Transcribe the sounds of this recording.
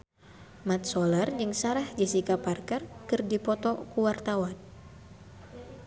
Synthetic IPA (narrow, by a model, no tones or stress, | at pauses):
mat̪̚solard͡ʒɨŋsaɾahd͡ʒisikaparkarkɨrdipɔt̪ɔkuwart̪awan